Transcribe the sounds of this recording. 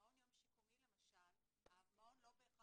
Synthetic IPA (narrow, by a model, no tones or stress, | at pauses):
odjomʃikumile̞maʃal | avmaodlobejːχa